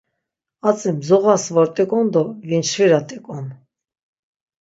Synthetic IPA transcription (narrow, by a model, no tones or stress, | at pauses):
at͡sʼimzɔʁasvɔɾt̪ʼɛkʼɔnd̪ɔvint͡ʃviɾat̪ʼɛkʼɔn